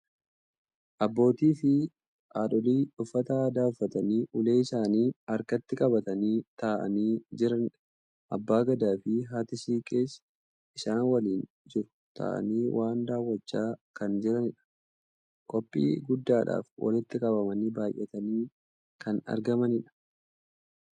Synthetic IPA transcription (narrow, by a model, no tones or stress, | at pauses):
ʔɐbːo̞ːt̪iːfɪ | ʔaːᶑɔliːᶑʊfːɐt̪ɐaːd̪aːʊfːɐt̪ɐniːʔʊle̞ːɪsaːniːɐɾkɐt̪ːɪkʼɐbɐt̪ɐniːt̪aːʔɐ̰niːd͡ʒɪɾɐnᶑ | ʔɐbːaːɡɐd̪aːfɪɦaːt̪ɪsiːkʼe̞ːs | ɪsaːnwɐliːn | d͡ʒɪɾʊ̥ | t̪ʰa̰ːʔɐ̰niːwʔaːnd̪aːwːɐt͡ʃːaːkɐnd͡ʒɛɾɐnɪᶑɐ̥ | kʼɔpʼːḭːɡʊd̪ːaːᶑa̰ːfwʔɐ̰lɪt̪ːɪkʼɐbɐmɐniːbaːjʔːɛt̪ɐniː | kʰɐnɐ̰ɾɡɐmɐnɪᶑɐ̥